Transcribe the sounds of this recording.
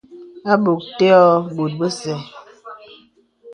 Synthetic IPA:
a˦bo˨k̚te˦ɔ˦bo˨t̚bə˦sɛ˨

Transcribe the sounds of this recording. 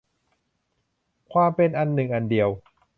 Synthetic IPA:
kʰwaː˧mpe˧nʔa˧nːɯ˨˩ŋʔa˧ndi˨əw

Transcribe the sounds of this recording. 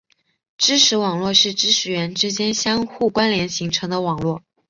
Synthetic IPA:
ʈ͡ʂɻ̩˥ʈ͡ʂʰɻ̩˧˥wɑ˨˩ŋlwɔ˥˧ʂɻ̩˥˩ʈ͡ʂɻ̩˥ʂʰɻ̩˧˥ɥɛ˧˥nʈ͡ʂɻ̩˥t͡ɕjɛ˥nɕjɑ˥ŋxu˥˩kwa˥nljɛ˧˥nɕi˧˥ŋʈ͡ʂʰɤ˧˥ŋd̪ə˧wɑ˨˩ŋlwɔ˥˩

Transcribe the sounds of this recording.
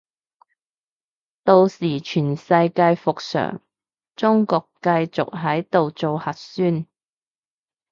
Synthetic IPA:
t̪o˧wsiː˨˩t͡ʃʰyː˨˩nsɐ˧jkaː˧jfʊ˨k̚sœ̰ː˨˩ŋ | t͡sʊ˥ŋkɔː˧kkɐ˧jt͡sʊ̰˨k̚ɦɐ˨˥jt̪o˨wt͡so˨whɐ˨t̚syː˥n

